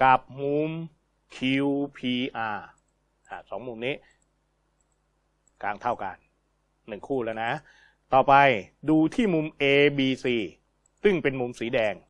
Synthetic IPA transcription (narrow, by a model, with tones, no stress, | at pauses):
ka˨˩p̚mu˧m | kʰi˧wpʰiː˧ʔaː˧ | ʔa˧˩sɔː˩˦ŋmu˧mniː˦˥ | kaː˧ŋt̪ʰa˥˩wka̰˧nː | ɯ˨˩ŋkʰuː˥˩laː˦˥˩na˦˥ | t̪ɔː˨˩pa˧jduː˧t̪ʰiː˥˩mu˧mʔeː˧biː˧siː˧˩ | sɯ˥˩ŋpe˧nmu˧msiː˩˦dɛː˧ŋ